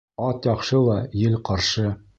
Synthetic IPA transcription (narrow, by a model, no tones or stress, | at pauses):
ɒt̪jɒqʃɤlˠɑjɘlqɒɾʃɤ